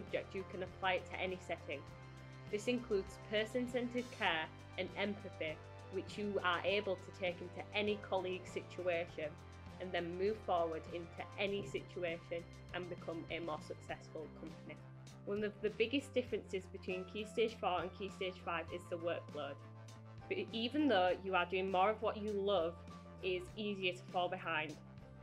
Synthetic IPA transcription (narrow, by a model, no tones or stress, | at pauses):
sʊb̚d͡ʒɛk̚təkʰə̃nəpʰl̥aɪɪtʰə̰ʔɛnɪsɛtʰɪ̃ŋ | ðɪsɪ̃nkʰl̥ʉːdz̥pʰɜˑsə̃nsɛ̃ntɪd̥̚kʰɛːɹ | ə̃nɛ̃mpʰɨθɪ | wɪt͡ʃjəəʔeɪbəlˠtʰətʰeɪkɪ̃ntʰuʔɛnɪkʰɒlˠiɡ̥sɪt͡ʃueɪʃə̃n | ə̃nðə̃nmʉːv̥fɔːwə˞dɪ̃ntʰuʔɛnɪsɪt͡ʃueɪʃə̃n | ʔə̃nbɪkʰʊ̃məmɔːsəksɛsfəlˠkʰʌ̃mpəni | wʌ̃nʌvðəbɪɡɪsd̥ɪfɹɨ̃nsɪzbɨtʰw̥ĩnkʰʉsteɪd̥ʒ̥fɔːɹə̃nkʰʉːsteɪd̥ʒ̥faɪvɪzðəwɜˑ˞k̚b̥lod̥ | b̥ʌiːvə̃nðoʊjəədʉɪ̃ŋmɔːɹəvwɒt͡ʃəlʊv | ɪziːziətʰə̥fɔːlˠbɪɦãɪ̃nd̥